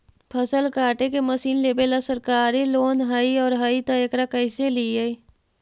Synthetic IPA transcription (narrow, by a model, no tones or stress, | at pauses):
pʰəsəlkaːʈekeməsiːnleːbelasəɾkaːɾiloːnɦaiɔːɾɦait̪aekɾakəɪseliei